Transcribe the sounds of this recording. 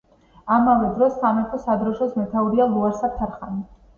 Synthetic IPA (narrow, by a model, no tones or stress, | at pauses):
amavɛd̪ɾɔsːamɛɾt̪ʰɔsad̪ɾɔʃɔsmɛt̪ʰauɾialˠuaɾsap̚t̪ʰaɾχani